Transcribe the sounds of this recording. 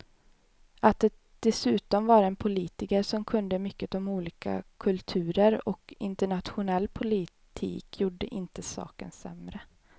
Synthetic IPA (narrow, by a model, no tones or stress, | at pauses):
at̪̚d̪ɛ | d̪̥ɛsʉ̟ːt̪ɔmvaɾɛnpʰʊliːt̪ɪkəɾʂɔmkʰɵnd̪əmʏkːət̪ɔmuːliːka̰kʰɵlt̪ʰʉ̟ːɾəɾɔ̰kɪ̰nt̪əɳat̪ɧʊnɛlːpʰʊlɪ | t̪ʰḭːkʰjuːɖə̰ʔɪnt̪əsɑ̰ːkə̰nsɛ̰mɾə